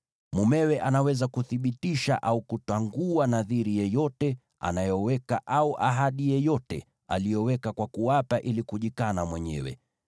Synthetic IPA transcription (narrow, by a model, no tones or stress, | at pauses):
mumɛwɛʔanawɛzakuθiɓitiʃa̰ʔaukutaŋɡuanaðiɾijɛjɔtɛ | a̰najɔwɛkaʔauʔaɦaɗijɛjɔtɛ̰ | a̰lijɔwɛkakwakuwapaʔilikuʄikanamwɛɲɛ̰wɛ̰